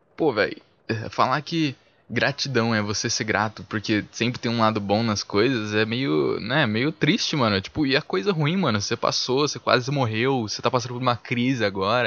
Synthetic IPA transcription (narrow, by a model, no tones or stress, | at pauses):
povɛ̰j | ɛfa̰lakɪ | ɡɾat͡ʃid̪ɐ̃w̃ɛvoseseɾɡɾat̪ʊpʊɾkesẽpɾɪt̪ẽj̃ũlad̪ʊbõw̃nɐskojzɐzɛmejʊ̰nɛmejʊt̪ɾist͡ʃɪmɐ̃nʊt͡ʃi̥pʊɪɐkojzɐɦuĩmɐ̃nʊsepa̰sosekwa̰zɪmoɦewset̪apasɐ̃d̪poɾũmɐkɾizɪaɡɔɾɐ